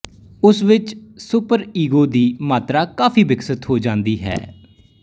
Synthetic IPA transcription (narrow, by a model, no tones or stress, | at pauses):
ʊsʋɪt͡ʃsʊpəɾiːɡoːd̪iːmaːt̪ɾaːkaːfʰiːbɪksət̪ɦoːd͡ʒãːnd̪iːɦɛ̰ː